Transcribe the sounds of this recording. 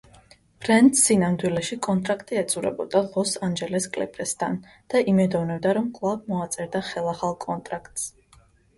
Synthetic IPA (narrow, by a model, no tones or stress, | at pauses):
pʰɾɛnt̪sinamd̪wilɛʃikʼɔnt̪ʼɾakʰt̪ʼiɛt̪sʼuɾɛ̰bɔ̰d̪alˠɔsand͡ʒɛlɛskʼlɛ̰pʼɾɛst̪ʰa̰n | d̪̥aʔimɛd̪ɔvnɛbd̪aɾɔmkʼlˠab̚mɔat̪sʼɛɾd̪aχɛlˠaχalˠkʼɔnt̪ʼɾakʰt̪ʼs